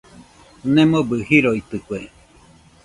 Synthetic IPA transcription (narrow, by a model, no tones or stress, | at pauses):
nẽmobɨhiɾoit̪ɨkʷe